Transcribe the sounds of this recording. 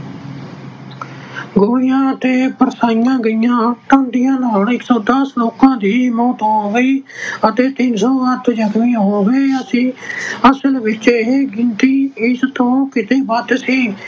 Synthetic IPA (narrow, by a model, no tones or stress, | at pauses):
ɡoːɪjãːət̪eːpəɾsaːɪjãːɡəijãːʈə̃ːnd̪ɪjãːlaːɳɪksõːd̪əsloːkãːd̪iːmoːt̪ɦõːʋiːət̪eːt̪ɪnsoːʋət̪d͡ʒəkmĩːɦɦõːʋeːəsĩːəsəlʋɪt͡ʃɦeɡɪnt̪iːɪst̪õːkɪt̪eːbəd̪siː